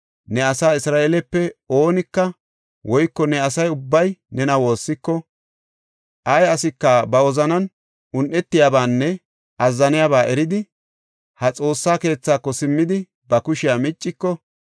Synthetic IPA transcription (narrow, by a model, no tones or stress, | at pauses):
nɛɐsaːɪsɾaːʔelɛpːɛo̞ːnɪkːɐ | wʔɔjkːɔnɛɐsɐjʊbːɐjnɛnɐwo̞ːsːɪkːɔ | ʔɐjɐsɪkːabɐwɔzɐnɐn | ʊnʔɛt̪ːɪjaːbaːnːɛ | ɐzːɐnɪjabaːʔɛɾɪd̪ɪ | hɐt͡sʼo̞ːsːaːke̞ːt͡sːaːkːɔsɪmːɪd̪ɪ | bɐkʊʃɪjamɪt͡ʃʼːɪkːɔ